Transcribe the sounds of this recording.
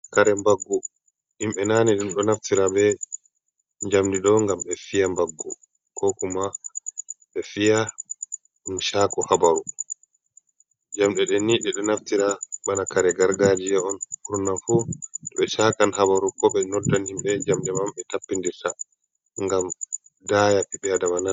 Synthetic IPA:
kaɾɛmbaɡːu | himɓɛnaːniɗumɗɔnaftiɾabɛ | ɲd͡ʒamdiɗɔŋɡamɓɛfijambaɡːu | kʰɔkuma | ɓɛfija | nʃaːkɔhabaɾu | d͡ʒamɗɛɗɛniɗɛɗɔnaftiɾaɓanakaɾɛɡaɾɡaːd͡ʒijɛɔnkuɾnanfuɗɔɓɛʃakanhabaɾukɔɓɛnɔdːanhimɓɛɲd͡ʒamdɛmamɓɛtapːindiɾta | ŋɡam | dajapiɓɛadamana

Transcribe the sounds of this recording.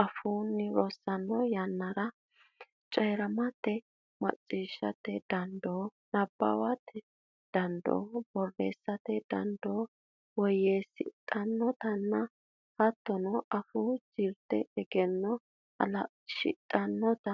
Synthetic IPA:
ʔɐfunːɪɾɔsːɐnːɔjɐnːɐɾɐ | t͡ʃʼɛːɾɐmɐt̪ːɛ | mɐ̰t͡sʼːiːʃːɐ̰t̪ːɛd̪̥ɐnd̪oː | nɐbːɐ̰wɐt̪ʰːɛ | d̪̥ɐnd̪o̰ːb̥ɔrːḛːsːɐt̪ɛd̪ɐ̰nd̪oː | wɔjeːsɪ̰t̪ʼɐnːɔt̪ɐnːɐ | hɐt̪ːɔnɔʔɐfud͡ʒiɾt̪ɛɛɡɛnːɔ | ɐ̰lɐ | ʃɪ̰t̪ʼːɐnːɔt̪ɐ

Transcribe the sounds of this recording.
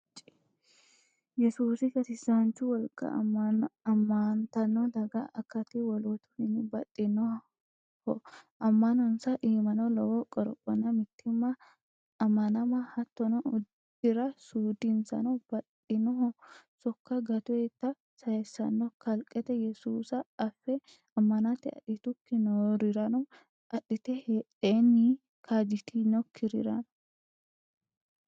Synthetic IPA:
t͡ʃ | jɛsuːsɪkɐsɪsant͡ʃːʊwɔlkʼːɐ̰ | ɐmːɐnt̪ɐnːɔd̪ɐɡɐʔɐkːɐt̪ːɪwɔlɔt̪ʊ̥hɪnːɪbɐtʼːɪnːɔ | hɔʔɐmːɐnɔnsɐʔiːmɐnɔlɔwɔkʼɔɾɔkʼːɔnːɐmɪt̪ːɪmːɐː | mːɐnɐmɐhɐt̪ːɔnɔʊd | ɪɾɐsuːd̪ɪnsɐ̰nɔb̥ɐᶑ | ɪnɔɦɔsɔkːɐɡɐt̪ʊet̪ːɐ | sɐjɛsːɐnːɔkɐlkʼːɛt̪ɛjɛsuːsɐːfːɛ | ɐmːɐnat̪ɪɐ̰ᶑɪt̪ʊkːɪnɔɾɪɾɐnɔ | ʔɐᶑɪt̪ɛheᶑeːnːɪ | kʰad͡ʒɪt̪ʰinɔkʰːɪɾɪ̰ɾɐn

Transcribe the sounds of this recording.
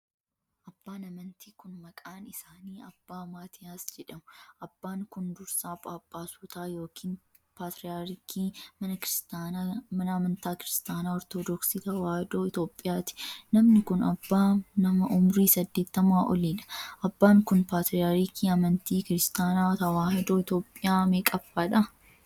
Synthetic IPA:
ʔɐbːaːnɐmɐnt̪iːkʊnmɐkʼaːnɪsaːniːɐbːaːmaːt̪ʰɪjaːsd͡ʒɛᶑɐmʊʔɐbːaːŋkʊnd̪ʊɾsaːpʼaːpʼːaːsʊːt̪aːjo̞ːkʰiːn | paːt̪ɾɪjaːɾɪkʰːiːmɐnɐkɪɾɪst̪aːnamɐnɐɐmɐnt̪aːkɪɾɪst̪aːnaːɔɾt̪od̪ɔksiːt̪ɐwaːhɪd̪oːɪt̪o̞ːpʼːɪjaːt̪ɪ̥nɐmnɪkʊnɐbːaːnɐmɐʔʊmɾiːsɐd̪ːe̞ːt̪ːɐmʊaːʔɔ̰liːᶑɐ̥ʔɐbːaːŋkʊnpaːt̪ɾɪjaːɾikʰːiːɐmɐnt̪iːkɪɾɪst̪aːnaːt̪ɐwaːhɪd̪o̞ːɪt̪o̞ːpʼːɪjaːmeːkʼɐfaːᶑɐ

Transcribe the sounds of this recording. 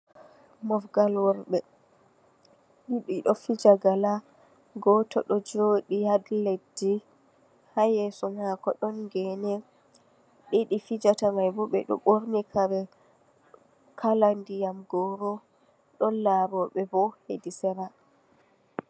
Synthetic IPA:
mɔfɡalwɔɾɓɛ | ɗiɗiɗɔfid͡ʒaɡala | ɡɔtɔ̰ɗɔd͡ʒoɗijadledi | hajɛsɔmhakɔɗɔnɡɛnɛ | ɗiɗifid͡ʒataŋɡajbɔɓɛ̰ɗɔ̰ɓoɾnikʰaɾɛ | kʰalandijamɡɔɾɔ | ɗɔlabɔɓɛbɔhedisɛɾa

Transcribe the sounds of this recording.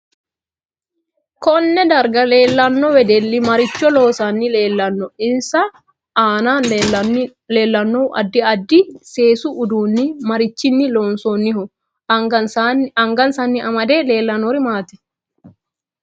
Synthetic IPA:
kɔnːɛd̪ɐɾɡɐleːlːɐnːɔwɛd̪ɛlːɪmɐɾɪt͡ʃːɔlo̞ːsanːɪleːlːɐnːɔɪnsɐ | aːnaː | leːlːɐnːoʔɐ̰d̪ːɪɐd̪ːɪse̞ːsuʔʊd̪uːnːɪmɐɾɪt͡ʃːɪnːɪloːnsoːnːɪhʊ | ɐŋɡɐnsɐnːɪʔɐmɐd̪eːle̞ːlːɐnoːɾɪmaːt̪ɛ̥

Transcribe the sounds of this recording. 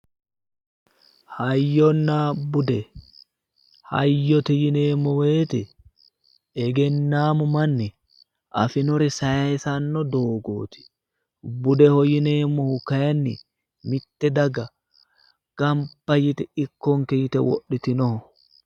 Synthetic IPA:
hɐjːɔnːabʊd̪ɛ | hɐ̰jːɔt̪ɛjɪneːmːɔweːt̪ɛ | ɛɡɛnːaːmʊmɐnːɛ | ʔɐfɪnɔɾɪsɐjɐsɐnːɔd̪oːɡo̰ːt̪ɪ̥ | bʊd̪ɛhɔjɪneːmːɔhʊkɐjɐnːɪ | mɪt̪ːɛd̪ɐɡɐ | ɡ̥ɐmbɐjɪt̪ɛɪkːɔŋkɛjɪt̪ɛwɔ̰ɗːɪt̪ɪnɔhɔ

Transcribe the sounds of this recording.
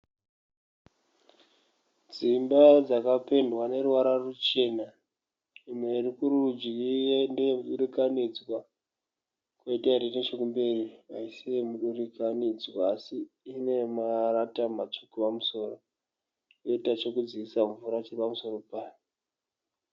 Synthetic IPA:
d͡zimbad͡zakape̞ndwane̞ruʋaɾarut͡ʃe̞na | imwe̞irikuɾuud͡ʒiindemuɗurikanid͡zwa | kweitaiɾenet͡ʃo̞kumbe̞riaisiemuɗurikanid͡zwaːsiː | ne̞maratamat͡ʃokupamuso̞ːro | keitat͡ʃo̞kud͡ziisaɱvuɾat͡ʃiripamuso̞ɾo̞paːjo

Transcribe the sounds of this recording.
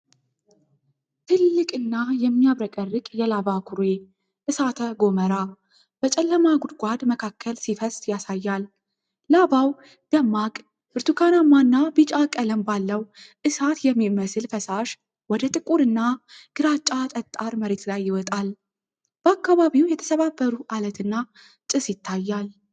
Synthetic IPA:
t̪ʰɨlːɨkʼɨnːajɛmːijaβɾəkʼərːɨkʼjɛlaβakʰuɾe | ʔɨsat̪ʰəɡo̞məɾa | b̥ət͡ʃʼɛlːəmaɡud̪ɡʷad̪məkʰakːəlsifəsjasajːalː | aβaw | d̪̥əmːakʼ | ɨɾt̪ʰukʰanamːanːabɨt͡ʃʼakʼələmbalːəwʔɨsat̪jɛmːiməsɨlfəsaʃ | wɔd̪ət̪ʼɨkʼuɾɨnːaɡ̥ɨɾat͡ʃʼat̪ʼət̪ʼːaɾməɾe̞t̪lajːɪwɔt̪ʼal | b̥əakːaβaβiwjɛt̪ʰə̥səβabːəɾuʔalət̪ʰɨnːa | t͡ʃʼɨsjɪt̪ʰːajːal

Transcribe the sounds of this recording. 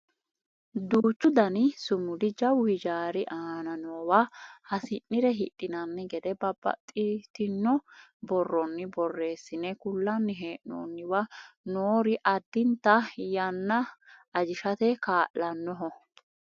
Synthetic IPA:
d̪uːt͡ʃːʊd̪ɐnɪsʊmʊd̪ɪd͡ʒɐwɪd͡ʒaːɾɪʔaːnɐnoːwahɐsɪnːɪɾɛɦɪt̪ʼːɪnɐnːɪɡɛd̪ɛbɐbːɐ̰t̪ʼːɪt̪ɪnːɔbɔrːɔnːɪbɔrːe̞ːsːɪnɛkʊlːɐnːɪɦeːʔno̰ːnːɪwɐnoːɾɪʔɐd̪ːɪnt̪ɐjɐnːɐɐd͡ʒɪʃɐt̪ɛkaːʔːɐnːɔɦɔ

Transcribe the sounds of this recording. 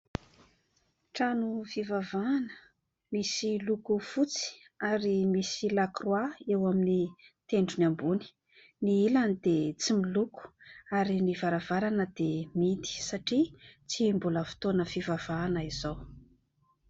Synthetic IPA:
ʈ͡ʂanufivavaːnə̥ | misilukufut͡si̥ | aɾimisilakrwaewaminit̪eɳɖ͡ʐuniambuni̥ | niilanid̪̥et͡similuku̥aɾinivaɾavaɾanəd̪̥emid̪i̥saʈ͡ʂit͡simbuləfi̥t̪onəfivav̥aːnəiz̥ow

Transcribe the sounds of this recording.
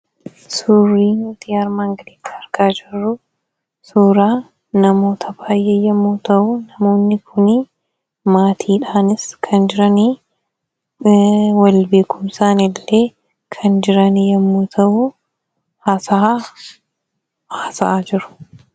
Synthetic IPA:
suːrːiːnut̪iɐɾmaːŋɡɐliːkʰːḁɐɾkaːd͡ʒɪrːʊ | suːɾaː | nɐmo̞ːt̪ʰɐbaːjʔeːjɐmːuːt̪ɐʔʊnɐmo̞ːnːɪkʰʊnɪ | maːt̪ʰiːᶑaːnɪskʰɐnd͡ʒɪɾɐni | wɐlbe̞ːkʊmsaːnɪlːe̞ː | kʰɐnd͡ʒɪɾɐnijɐmːuːt̪ʰɐʔʊ | haːsaː | haːsɐʔad͡ʒɪɾʊ̥

